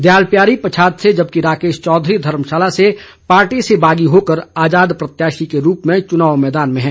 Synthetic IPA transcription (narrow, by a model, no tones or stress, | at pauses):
d̪jaːlpjaːɾipət͡ʃʰaːd̪sed͡ʒɐb̚kiɾaːkeːʃt͡ʃɔːd̪ʱɾid̪ʱɐɾmʃaːlase | paːɾʈisebaːɡiɦoːkəɾaːd͡ʒaːd̪pɾɐt̪jaːʃikeɾuːpmẽt͡ʃʊnaːʋmɛːd̪aːnmẽɦɛ̃ː